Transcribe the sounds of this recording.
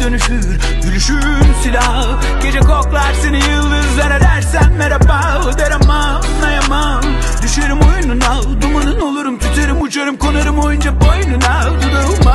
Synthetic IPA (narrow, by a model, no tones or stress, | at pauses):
d̪̥ø̞nyfyɾ | d̪ylʲyʃy | msilʲa | ɟ̥e̞d͡ʒɛkʰoklˠaɾsenijɯlˠːɯzvened̪æɾsænmeɾapa | lˠɯd̪eɾama | mːajama | m | d̪yʃøɾymo̞jununa | d̪umanɯno̞lˠuɾumt̪ʰyt̪ʰeɾymut͡ʃʰaɾɯmkʰonaɾɯmo̞jund͡ʒabojununad̪ud̪ɯma